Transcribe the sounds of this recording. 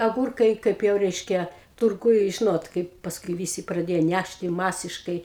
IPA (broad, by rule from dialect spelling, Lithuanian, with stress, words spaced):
ɐˈɡuːrkɐɪ ˈkɐɪp jɛʊ ˈrʲɛɪʃʲkʲɛ tʊrˈɡʊj ˈʒʲɪnoːt ˈkɐɪp pɐsˈkʊɪ ˈʋʲiːsʲɪ prɐˈdʲeːjoː ˈnʲæʃʲtʲɪ ˈmɑːsʲɪʃkɐɪ